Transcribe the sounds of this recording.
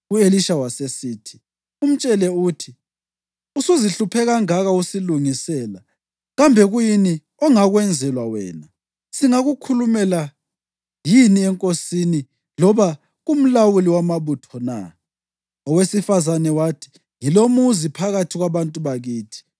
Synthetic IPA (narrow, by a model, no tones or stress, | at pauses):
ueliʃawasesiːtʰi̥ | um̩t͡ʃʼɛlɛutʰi | usuziɬupʰɛɣaŋaɣausiluŋisɛːla | ɣambʱɛɣujini | ɔŋaɣwɛnd͡zʱɛlwawɛ̰ːna | siŋaɣukʰulumɛla | jiniɛŋkʼosini | lɔβa | ɣum̩lawuliwamaβutʰɔna̰ | ɔwesifazanɛwatʰi̥ | ŋilomuzipʰaɣatʰiɣwaβantʼuβaɣiːtʰi̥